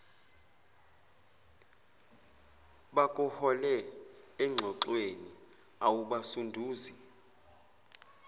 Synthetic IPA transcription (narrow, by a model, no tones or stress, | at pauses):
ɓakʼuhɔlɛːŋ͡ǁʱɔǁweni | awuɓasundʱuːzi